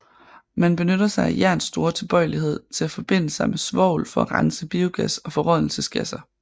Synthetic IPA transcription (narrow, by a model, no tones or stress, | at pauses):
mænb̥e̝nød̥ɐsɑ̈ɪæjæɐnsːd̥o̝ːɐt͡sʰe̝lb̥ɒ̽ɪliɦe̝ð̞̰ˠt͡sʰe̝læfɒ̽b̥e̝n̰əsɑ̈ɪmesʋɒ̰ʊ̰lfɒ̽æʁɑnsəb̥io̝ɡ̥æsɒ̽fɒ̽ʁɒðˠl̩səsɡ̥æsɐ